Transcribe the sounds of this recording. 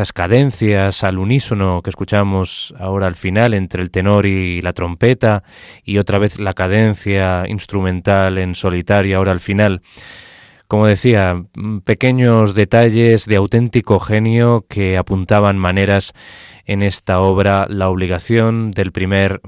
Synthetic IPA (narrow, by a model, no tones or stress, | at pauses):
askaðe̞n̟θjasaluniso̞no̞ke̞skut͡ʃamo̞sao̞ɾaːlfinale̞nt̪ɾelt̪e̞no̞ɾilat̪ɾo̞mpe̞t̪a | io̞t̪ɾaβ̞e̞θlakað̞e̞nθjaḭnst̪ɾumẽ̞nt̪ale̞nso̞lit̪aɾjoao̞ɾalfinal | ko̞mo̞ð̞e̞θiape̞ke̞ɲo̞zðe̞t̪aʎe̞zðe̞awt̪e̞nt̪iko̞xe̞njo̞ke̞apunt̪aβ̞anmãne̞ɾas | e̞ne̞st̪ao̞β̞ɾalaoβ̞liɣ̞aθjo̞nd̪e̞lpɾime̞ɾ